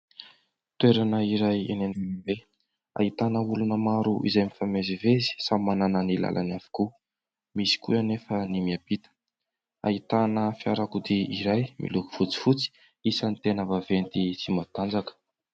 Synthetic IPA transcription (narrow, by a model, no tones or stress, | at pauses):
t̪weɾanəiɾajḛnenivenibe | a̰it̪anəulunəmaɾuʔḭzajmifamezivezi̥samanananila̰lʔa̰nafi̥ku | misi̥kṵanefənimiab̥it̪ə̥ | a̰it̪anəfjaɾakud̪iiɾajmʔḭluku̥fut͡si̥fut͡si̥ | isənit̪enəvavent̪it͡simat̪and͡zakə̥